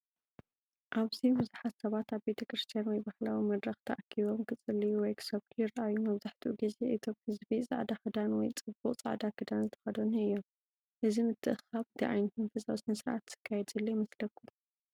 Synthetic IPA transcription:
ʔaβzibɨzuħat̪sɐβat̪aβbe̞t̪ʰɐkɾɨst̪ʰijanwɔjbahlawimɐd̪ɾɐxt̪ʰɐʔakʰiβo̞mkʰɨt͡sʼɨlːijuwɔjkʰɨ̥sɐβkʰɨjɪɾʔajumɐβzaħt̪ʰuʔuɡizeʔit̪ʰomhɨzbisʼa̰ʕd̪axɨd̪anwɔjt͡sʼɨbuqʼt͡sʼa̰ʕd̪akɨd̪anzɨt̪ʰɐ̥xɐd̪oniɨjːo̞m | ʔɨzimɨt̪ʰːɨʔɨxaβt̪ʰɨʕa̰jnɐt̪ʰunfɨsʼasnɨsɨɾʕa̰t̪z̥ɨ̥kʰːajɛd̪zɐlːojimɐslɐkʰu

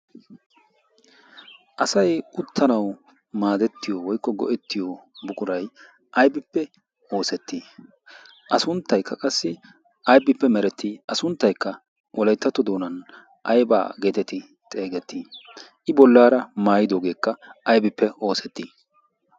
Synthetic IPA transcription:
ʔɐsɐjʔʊt̪ːɐnɐw | maːd̪ɛt̪ːɪjowɔjkːɔɡɔ̰ʔɛt̪ːɪjobʊkʼʊɾɐj | ʔɐjbɪpːɛ | o̞ːsɛt̪ːi | ʔɐsʊnt̪ːɐjkːɐkʼɐsːɪ | ɐjbɪpːɛmɛɾɛt̪ːiʔɐsʊnt̪ːɐjkːɐ | wʔɔlɐjt̪ːɐt̪ːɔd̪o̞ːnɐn | ʔɐjba̰ːɡe̞ːt̪ɛt̪ɪ | t̪ʼe̞ːɡɛt̪ːiːʔɪbɔlːaːɾɐmaːjɪd̪oːɡe̞ːkːɐʔɐjbɪpːɛo̞ːsɛt̪ːiː

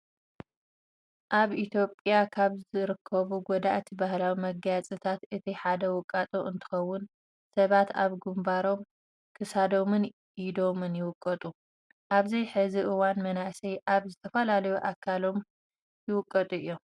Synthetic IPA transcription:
ʔaβʔit̪ʰjo̞pʼjakʰaβzɨɾɨkʰːɐβuɡɔd̪aʔt̪ʰibahlawimɐɡat͡sʼɨt̪ʰat̪ɨt̪ʰiħad̪ɐwʊkʼːat̪ʼoʔɨnt̪ʰɨ̥xɐwːʊn | sɐβat̪aβɡumbaɾo̞m | kʰɨsad̪o̞mɨn | id̪o̞mɨnjɪwʊkʼːɐt̪ʼu | ʔaβzɐjħɨziʔɨwanmɐnaʔsɐjʔaβzɨt̪ʰɐfɐlalɐjuʔakʰːalo̞m | jɪwʊkʼːɐt̪ʼuɨjːom

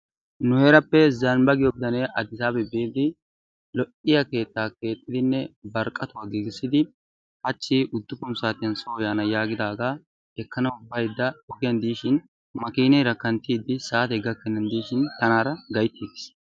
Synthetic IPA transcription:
nʊhɛːɾɐpːɛzɐnbɐɡɪjɔbɪd̪ɐneʔɐd̪ɪsaːbɛbeːd̪ɪ | lɔʔɪjɐke̞ːt̪ːaːke̞ːt̪ʼːɪd̪ɪnːɛbɐɾkʼːɐt̪ʊwaɡiːɡɪsɪd̪ɪ | hɐt͡ʃːiʔʊd̪ːʊpʊmsaːt̪ɪjɐnsoːjaːnɐjaːɡɪd̪aːɡaː | ɛkːɐnɐʊbːɐjd̪ːɐɔɡɪjɐnd̪iːʃɪn | mɐkiːnɛɾɐkːɐnt̪iːd̪ɪsaːt̪ɛɡɐkːɛnːɐnd̪iːʃɪnt̪ɐnaːɾɐɡɐjt̪ʰːiːɡɪ̥s

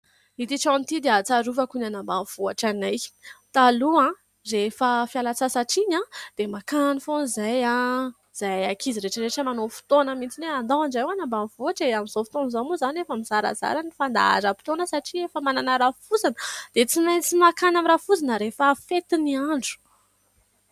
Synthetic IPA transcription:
it̪iʈ͡ʂãnt̪id̪eat͡saɾuvakunanambanv̥uaʈ͡ʂanajt̪aluã | refəfialat͡sasaʈ͡ʂiɲãd̪̥emakanifonzajã | z̥ajaakʰiziɾeʈ͡ʂəɾeʈ͡ʂəmanofi̥t̪onəmit͡s̪ineand̪ãɳɖ͡ʐajwanambanvuaʈ͡ʂeamizofi̥t̪onzamuzanefəmiz̥aɾa̰za̰ɾanifand̪a̰a̰zapi̥t̪onəsaʈ͡ʂiefəmananəɾafuzanəd̪̥et͡simajnt͡simakanamirafuzanəɾefəfet̪iniaɳɖ͡ʐu̥

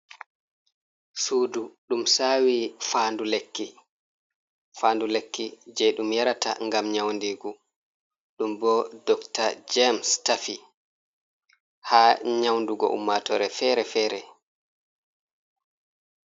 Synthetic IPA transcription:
suːduɗumsawiːfaːndulekːi | faːndulekːid͡ʒɛɗumjaɾatʰa̰ŋɡamɲawndiɡu | ɗumbɔdɔktad͡ʒɛmstafi | haːɲawnduɡɔ̰ʔṵmːatɔɾɛfɛɾɛfɛːɾɛ

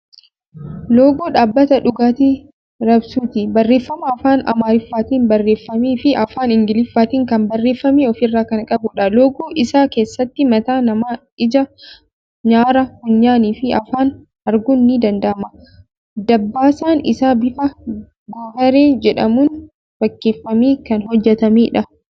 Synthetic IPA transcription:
loːɡoːᶑaːbːɐt̪ɐᶑʊɡaːt̪i | ɾɐbsuːt̪ɪbɐrːeːfːɐmɐːfaːnɐ̰maːɾɪfːaːt̪iːnbɐrːe̞ːfːɐmiːfɪʔɐfaːnɪŋɡɪlɪfːaːt̪iːŋkɐmbɐrːe̞ːfːɐmiːɔfɪrːaːkɐnkʼɐbʊᶑɐloːɡoːʔɪsaːke̞ːsːɐt̪ːɪmɐt̪aːnɐmaː | ɪd͡ʒɐ | ɲaːɾɐhʊɲːaːniːfɪɐfaːn | ɐɾɡʊnːɪd̪ɐnd̪ɐʔɐmɐ | d̪ɐbːaːsaːnɪ̰saːbɪfɐ | ɡoːhɐɾeːd͡ʒɛᶑɐ̰muːn | fɐkːe̞ːfːɐmiːkɐnɦɔd͡ʒːɛt̪ɐmiːᶑɐ

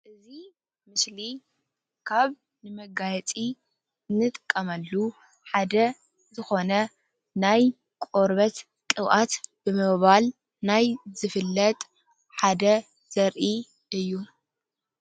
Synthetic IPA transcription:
ʔɨzi | mɨsli | kʰaβ | nɨmɐɡajɛt͡sʼi | ɨnːɨt̪ʼɨkʼːɐmɐlːu | ħad̪ɐ | zɨxo̞nɐ | naj | kʼoɾβɐt̪ | kʼɨβʔat̪b̥ɨmɨβal | najzɨfɨlːɐt̪ʼ | ħad̪ɐ | z̥ɐɾʔi | ʔɨjːu

